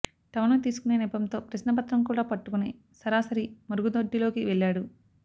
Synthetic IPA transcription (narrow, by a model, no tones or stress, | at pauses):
t̪ɐmɐnut̪iːsu̥kune̞ːnɛpɐmt̪o̞ːpɾɐsnɐpɐt̪ɾɐmkuːɽaːpɐʈːukuni | sɐɾaːsɐɾimɐɾuɡud̪oɖːilo̞ːkiʋeɭːaːɽu